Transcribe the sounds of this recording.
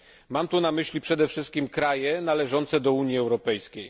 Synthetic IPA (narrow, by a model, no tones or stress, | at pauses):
mamt̪unamɘɕlʲipʂɛd̪ɛfʂɘst̪̚kʲimkɾajɛnalɛʐɔnt̪sɛd̪ɔuɲjiɛwɾɔpɛjskʲej